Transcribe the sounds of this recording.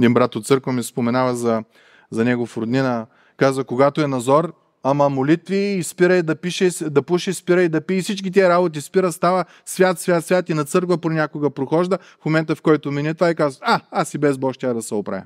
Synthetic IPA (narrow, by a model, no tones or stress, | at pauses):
d̪inbɾat̪ot̪sɤɾkvɐmispomɛnavɐzɐ | zɐnɛɡofɾʊd̪nʲinɐ | kazvɐkoɡat̪oɛnɐzɔɾ | ɐmɐmolit̪viːspiɾəjd̪ɐpiʃɛsd̪ɐpuʃɛspiɾəjd̪ɐpiifsit͡ʃk̬ʲit̪̬iəɾabot̪̬ispiɾəst̪avɐ | svʲjat̪svʲat̪svʲat̪inɐt̪sɤɾkvɐponʲakʊɡɐpɾoxɔʒd̪ə | fmomɛnt̪ɐfkɔjt̪ʊminʲɛt̪vaikazvaasibɛzbɔʃt̪ʲad̪ɐsɛopɾa̰vʲɛ̰